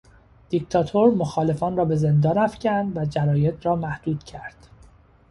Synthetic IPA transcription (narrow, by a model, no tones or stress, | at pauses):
d̪̥ict̪ʰɒːt̪ʰoɾmoxɒːle̞fɒːnrɒːbe̞ze̞nd̪ɒːnæfcʰænd̪væd͡ʒæɾɒːjet̪ɾɒːmæhd̪̥uːd̪̥cʰæɾd̪̥